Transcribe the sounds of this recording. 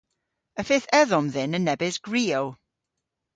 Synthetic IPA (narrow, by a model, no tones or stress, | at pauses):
əfɪːθɛðʊmðɪnənːɛbɪsɡ̥ɹiːɔw